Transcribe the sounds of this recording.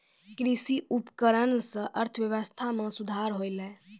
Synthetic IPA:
kɾisiʔupkəɾənsə̃ʔəɾt̪ʰəʋjəʋəst̪ʰamẽsud̪ʱaɾɦojlɛː

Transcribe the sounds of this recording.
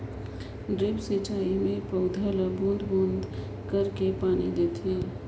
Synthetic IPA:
ɖɾeːpset͡ʃaːimẽpəʊd̪ʱaləbõnd̪bõːnd̪ | kəɾkepaːnid̪eːt̪ẽː

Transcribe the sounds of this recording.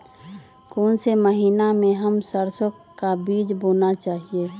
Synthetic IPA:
koːnseməɦiːnamẽɦəmsəɾsək | kabiːd͡ʒboːnat͡ʃaːɦieː

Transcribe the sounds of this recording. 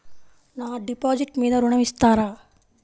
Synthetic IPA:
naːɖipaːd͡ʒiʈmeːd̪aɾuɳɐmist̪aːɾaː

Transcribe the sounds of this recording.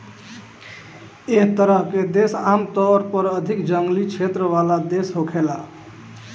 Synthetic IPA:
eɦt̪əɾəɦked̪esamt̪ɔɾpəɾəd̪ʱikd͡ʒəŋɡlit͡ʃʰet̪ɾəβalad̪esɦokʰela

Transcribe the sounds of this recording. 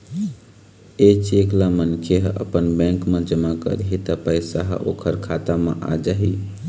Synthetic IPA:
et͡ʃeklamənkʰeɦə̰pənbɛ̃ŋkmẽd͡ʒəmakə̰ɾɦit̪əpəɪsa̰ɦo̰kʰəɾkʰat̪amḛʔa̰d͡ʒaɦi

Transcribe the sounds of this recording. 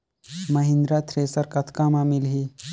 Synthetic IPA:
mɐɦĩnd̪ɾaːt̪ʰɾeːsɐɾkɐt̪ʰkaːmãːmilɦiː

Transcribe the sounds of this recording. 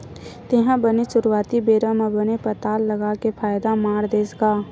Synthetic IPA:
t̪eɦãbəneʃʊɾuaːt̪ibeːɾamãbənepət̪aːlːəɡaːkepʰaːjd̪amaːɾd̪eːsɡaː

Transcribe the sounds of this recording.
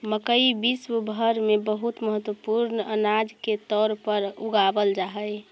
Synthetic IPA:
məkəibiswəbʱəɾmebəɦut̪məɦət̪wəpuɾnənad͡ʒket̪ɔːɾpəɾuɡabəld͡ʒaɦəj

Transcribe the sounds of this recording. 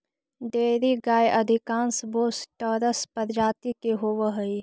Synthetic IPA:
ɖeːɾiɡaːjʔɐd̪ʱɪkãːnsboːsʈəɾəspəɾd͡ʒaːt̪ikeɦoʋəɦəi

